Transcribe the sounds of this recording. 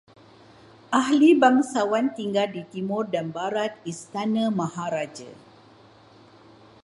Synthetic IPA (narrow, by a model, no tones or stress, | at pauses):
ʔaɦlibaŋsawant̪iŋɡaldit̪imʊrdanbaɾat̪̚ist̪anə̃mãhaɾad͡ʒə̰